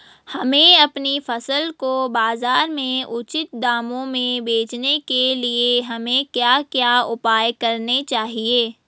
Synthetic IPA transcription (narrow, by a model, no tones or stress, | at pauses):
hɐmẽɐpnifʰɐsəlkobaːzaːɾmẽʊt͡ʃɪt̪̚d̪aːmõmẽbeːt͡ʃnekelieɦɐmẽkjaːkjaːʊpaːjkɐɾnet͡ʃaːɦieː